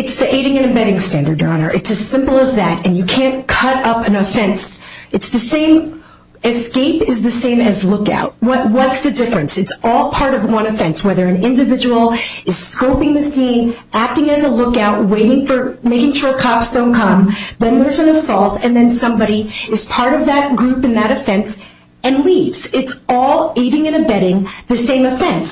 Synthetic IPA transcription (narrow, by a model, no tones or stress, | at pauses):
ɨtsðiʔeɪɾɪ̃ŋɨ̃nɨ̃mbɛɾɪ̃ŋstæ̃ndə˞dɑ̃nə̰˞ʔɨtsɨz̥sɪ̃mpl̩ˠəzðɨɾɨ̃njɨkʰæ̃nkʰʌɾʌpɨ̃nɨfɛ̃nsɨtsðɨsẽɪ̃m | ɨskeɪpɨzðɨsẽɪ̃mɨzlʊka̰ʊt̚wʌt̚wʌtsðɨdɪfɹɨ̃nsɨtsɔlˠpʰɑɹɾʌvwʌ̃nɨfɛ̃nswɛðə˞ɨ̃nɪ̃ndɨvɪd͡ʒəwl̩ˠɨz̥skoʊpɪ̃ŋðɨsĩn | æk̚tɪ̃ŋɨzəlʊkaʊt̚weɪɾɪ̃ŋfə˞meɪkɪ̃ŋʃʊɹkʰɑpstõʊ̃nkʰʌ̃mðɨ̃nðə˞zɨ̃nəsɔlˠtʰɨ̃nðɨ̃nsʌ̃mbɑɾiɨz̥pʰɑɹɾʌvðɨt̚ɡ̥ɹʉpɨ̃nðɨɾɨfɛ̃ns | ɨ̃nlivz̥ɨtsɔlˠeɪɾɪ̃ŋɨ̃ñɨbɛɾɪ̃ŋðɨsẽɪ̃mɨfɛ̃ns